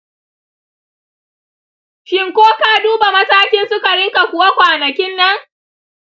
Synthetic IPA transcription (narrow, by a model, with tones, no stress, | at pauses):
ʃɪ˦ŋkʷoː˦ka˦duː˦ba˨mɐ˦saː˦kʲɪ˦nsʊ˦ka˨ɽɪ˦ŋka˨kʷʊ˨wa˦kʷaː˨nɐ˨kʲɪ˦nːɐ˦ŋ